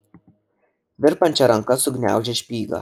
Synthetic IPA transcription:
ʋʲɪɾpɐnʲt͡ʃʲɛɾɐŋkɐsʊɡnʲæ̰ˑʊʒʲɛʃʲpʲiːɡɐ̰

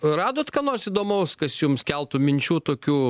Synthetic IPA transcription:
rɑːd̪oːt̪kɐnoːrsiːd̪oːmɐʊskɐsjumskʲɛlˠt̪ʊmʲɪnʲt͡ʃʲuːt̪oːkʲuː

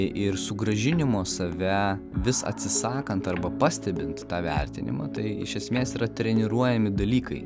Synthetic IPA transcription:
ʔɪrsʊɡɾɐʒʲɪnʲɪmoːsɐʋʲɛ | ʋʲɪsɐ̰t̪ʲsʲɪsɑːkɐnt̪ɐɾbɐpɑːsʲt̪ʲɛbʲɪnt̪t̪ɑːʋʲɛ̰ɾʲt̪ʲɪ̰nʲɪ̰mɑ̰ːt̪ɐɪɪ̰ʃʲɛsʲmʲeːsiːɾɐt̪ʲɾʲɛnʲɪɾuɔjɛmʲɪd̪ɐlʲiːkɐɪ

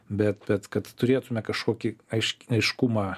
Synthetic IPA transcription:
bʲɛt̪̚bʲɛt̪kɐt̪tʊɾʲeːt̪ʊmʲɛkɐʃkoːkʲɪɐɪʃʲɐɪʃkʊmɑː

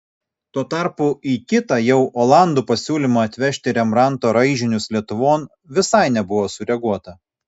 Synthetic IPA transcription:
t̪uɔt̪ɑˑɾpuiːkʲɪt̪ɐjɛʊʔoːlˠɑˑnd̪uːpɐsʲuːlʲɪmɐɐt̪ʲʋʲɛʃʲt̪ʲɪɾʲɛmɾɑˑnt̪oːɾɐɪʒʲɪnʲʊslʲiɛt̪ʊʋoːn | ʋʲɪsɐɪnʲɛbʊʋoːsʊɾʲɛɡuɔt̪ɐ

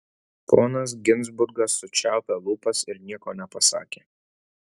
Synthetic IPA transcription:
pʰoːnɐs̬ɡʲɪnˑzbʊɾɡɐsːʊt͡ʃʲæˑʊpʲɛlˠuːpɐsɪɾnʲiɛkoːnʲɛpɐsɑ̰ːkʲeː

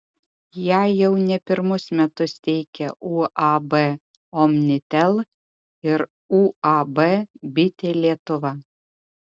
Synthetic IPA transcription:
jæːjɛʊnʲɛpʲɪɾmʊsmʲɛt̪ʊst̪ʲɛɪkʲɛʔuːɑbɛ | ɔmʲnʲɪt̪ʲɛlˠ | ɪɾ | uːɑbɛbʲɪt̪ʲeːlʲiɛt̪ʊʋɐ

